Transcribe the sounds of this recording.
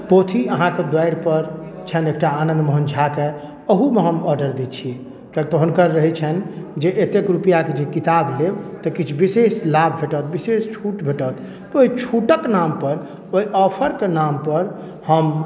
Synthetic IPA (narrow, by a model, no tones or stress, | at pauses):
pot̪ʰiəɦãked̪ajɾpəɾt͡ʃʰɛnek̚ʈaːnə̃nd̪məɦənd͡ʒʰʱake | əɦumeɦəmɔɾɖəɾd̪it͡ʃʰi | kɛt̪oɦənkəɾːəɦɛt͡ʃʰɛnd͡ʒeʔet̪ekɾupijaked͡ʒekit̪ablebt̪əkit͡ʃʰbiseslabʱbʱeʈət̪̚bisest͡ʃʰuʈbʱeʈət̪ | oit͡ʃʰuʈəknampəɾ | oiʔɔpʰəɾkenampəɾ | həm